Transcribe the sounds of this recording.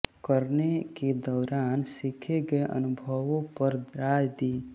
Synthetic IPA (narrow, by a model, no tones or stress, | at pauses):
kəɾneked̪ɔːɾaːnsɪkʰeɡəeʔə̰nʊbʱəʋõpəɾd̪ɾaːd͡ʒd̪iː